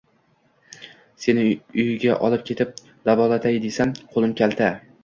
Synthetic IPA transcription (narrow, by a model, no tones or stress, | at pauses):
se̞nɪʊjɡʲaʔɒlˠɪp̚kʲʰe̞t̪ʰɪp̚ | d̪̥avɒlat̪ʰajd̪esamqʰolˠɪmkʲʰalt̪ʰa